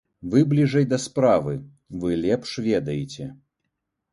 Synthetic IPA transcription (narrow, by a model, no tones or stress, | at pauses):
vɨblʲiʐɐjd̪ɐspɾavɨ | vɨlʲɛpʂvʲɛd̪ɐjet͡sʲɛ